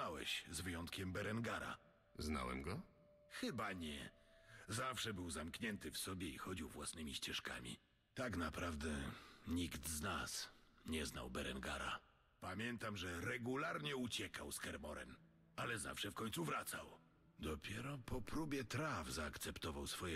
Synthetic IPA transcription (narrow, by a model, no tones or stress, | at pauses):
awɛ̰ɕzvɘjɔnt̪kʲɛmbɛɾɛŋɡaɾa̰ | zna̰wɛ̰mɡɔ | xɘbaɲɛ̰ | zafʂɛbɘwzamkɲɛnt̪ɘfsɔbʲjɛḭxɔd͡ʑiwvwa̰snɘmʲiɕt͡ɕɛʂka̰mʲḭ | t̪aknapɾavd̪ɛɲiɡd̪znasɲɛzna̰wbɛɾɛ̰ŋɡa̰ɾa̰ | pamʲjɛnt̪amʐɛɾɛɡulaɾɲɛut͡ɕɛkawskɛɾmɔɾɛ̰n | alɛza̰fʂɛfkɔɲt̪suvɾat̪sa̰w | d̪ɔpʲjɛɾɔpɔpɾubʲjɛt̪ɾavzaːkt̪sɛpt̪ɔvawsfɔjɛ